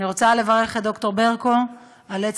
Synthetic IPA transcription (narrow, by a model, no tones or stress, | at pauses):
iʁo̞t͡sale̞vaʁe̞χetdo̞kto̞ʁbe̞ʁko̞ | alet͡s